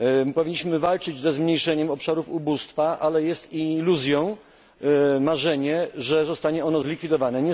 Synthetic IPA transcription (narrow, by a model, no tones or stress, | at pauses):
pɔvʲiɲːiɕmɘvalt͡ʂɘd͡ʑzɛzmɲejʂɛɲɛmɔpʂaɾufubust̪faʔalɛjɛst̪iluzʲjɔ̃w̃ | maʐɛɲɛʐɛzɔst̪aɲɛɔnɔzlʲikfʲid̪ɔvanɛɲɛ